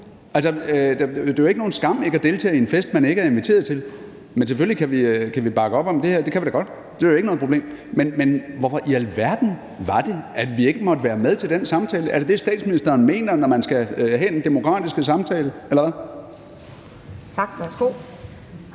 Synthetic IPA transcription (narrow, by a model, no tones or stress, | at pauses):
ʔælsɒød̥d̥e̝joe̝ɡəno̝ːn̩sɡ̥ɑ̈m̰e̝ɡ̥æd̥e̝ːlt͡sʰɛ̰ːenfesd̥̚mæne̝ɡəæɐe̝nʋit͡sʰe̝̰ːɐð̩ˠt͡sʰe̝l | mensefølikʰæʋikʰæʋib̥ɑ̈ɡ̥əɒ̽b̥ɒ̽md̥e̝heɐd̥e̝kʰæʋid̥æɡ̥ɒ̽d̥ | d̥e̝æjoeɡ̥no̽ð̩ˠpʰoble̝̰ːmmenmenʋɒfɒ̽ʔiælʋæɐd̥n̩ | ʋɑ̈d̥e̝æd̥ʋie̝ɡ̥əmɒ̽d̥əʋæːɐmeð̞ˠt͡sʰeld̥en̰sɑ̈mt͡sʰɛːləʔæɐɾe̝d̥esd̥ɛ̰ːd̥sminisd̥ɐːnme̝̰ːnɐnɒmænsɡ̥æhɛ̰ːd̥end̥e̝mo̝kʰʁɑ̰ːd̥isɡ̥əsɑ̈mt͡sʰɛːləelɐʋæ | t͡sʰɑɡ̥ʋæsɡ̥o̝̰ː